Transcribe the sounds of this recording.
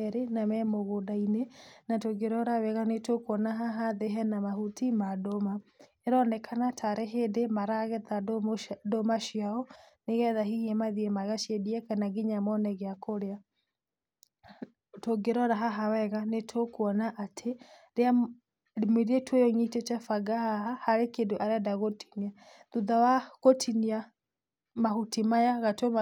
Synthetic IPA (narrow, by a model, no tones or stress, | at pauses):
ɛɾenamɛmoɣodainenatoɡeɾɔɾawɛɣanetokwɔnaɦaɦaðeɦɛnamahutimadomaeɾɔnɛkʰanatʰaɾɛɦeːdemaɾaɣɛtadomaʃiaɔneɣɛðaɦiɣemaðiemaɣaʃjediɛkanaɡiɲamɔnɛɣeakoɾea | toɡeɾɔɾaɦaɦawɛɣanetʰokwɔnaʔatʰeɾea | mweɾietʰwojɔŋitet͡ʃafaɡahaɦahaɾekedoʔaɾadaɣoti̥nia | ðuðawaɣotʰinia | mahutimajaɣatoa